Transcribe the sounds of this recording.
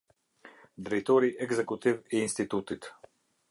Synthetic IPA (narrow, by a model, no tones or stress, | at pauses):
d̪ɾɛjt̪ɔɾiʔɛɡzɛkut̪iviːnst̪it̪ut̪it̪